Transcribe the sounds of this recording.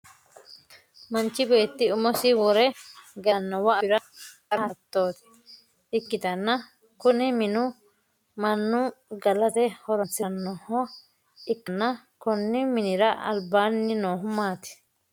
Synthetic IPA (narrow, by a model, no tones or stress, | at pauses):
mɐnt͡ʃːɪbe̞ːt̪ːɪʊmɔsɪwɔɾɛɡɐnːɐwɐɪɾɐ | ɐɾhɐt̪ːo̞ːt̪ɪ̥ | ɪkːɪt̪ɐnːɐ | kʊnɪmɪnʊ | mɐnːʊɡɐlɐt̪ɛhɔɾɔnt͡sːɐnːɔhɔ | ɪkːnːɐ | kɔnːɪmɪnɪɾɐɐ̰lbaːnːɪnoːɦʊmaːt̪ɪ̥